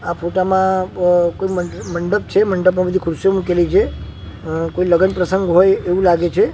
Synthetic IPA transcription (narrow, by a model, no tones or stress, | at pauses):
afʰoʈamãkoiəməɳɖəp̚t͡ʃʰeməɳɖəp̬mãbəd̪ʱikʰʊɾsjomukelit͡ʃʰe | koiləɡənpɾəsəŋɡɦojeʋũlaɡet͡ʃʰe